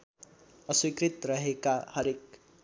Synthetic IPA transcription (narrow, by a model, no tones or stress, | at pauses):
ʌswikrit̪rʌɦekahʌɾek̚